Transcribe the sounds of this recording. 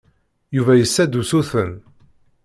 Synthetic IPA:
juvæjəsːæd̪usuθə̰n

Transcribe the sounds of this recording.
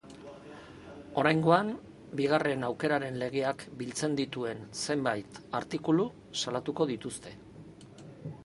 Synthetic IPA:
o̞ɾajŋɡo̞an | biɣ̞are̞nawke̞ɾaɾe̞nle̞ɣ̞e̞akbilt͡se̞nd̪it̪ue̞nse̞mbajt̪aɾt̪ikulu | salat̪uko̞ðit̪ust̪e̞

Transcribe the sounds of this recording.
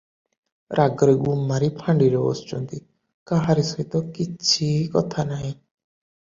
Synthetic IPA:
ɾʔaɡɔɾeɡumːaɾipʰãɳɖiɾɔo̰st͡ʃɔnt̪i | kaɦaɾisɔɦit̪ɔkit͡ʃʰikɔt̪ʰanaɦĩ

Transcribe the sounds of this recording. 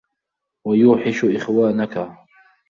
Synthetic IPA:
wajuːħɪʃʊʔɪxwaːnaka

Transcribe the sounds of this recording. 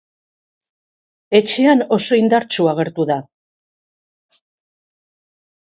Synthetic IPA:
e̞t͡ʃe̞ano̞so̞ind̪aɾt͡ʃuaɣ̞e̞ɾt̪uða

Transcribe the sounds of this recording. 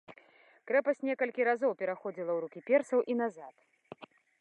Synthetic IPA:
kɾɛpɐsʲnʲɛkɐlʲkʲiɾazɔwpʲɛɾaxɔd͡zʲilˠɐwɾukʲipʲɛrsɐwʔinazat̪

